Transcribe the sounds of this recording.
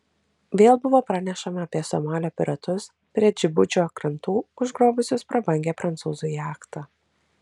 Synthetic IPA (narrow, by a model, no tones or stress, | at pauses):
ʋʲeːlˠbʊʋoːpɾɑːnʲɛʃɐmɐːpʲiɛsɔmɑːlʲoːpʲɪɾɐt̪ʊs | pʲɾʲiɛd͡ʒʲɪbʊd͡ʒʲoːɐkɾɐnt̪uːʊʒɡɾoːbʊsʲʊspɾɐbɐŋʲɡʲæːpɾɐnt̪suːzʊjɑːkt̪ɑ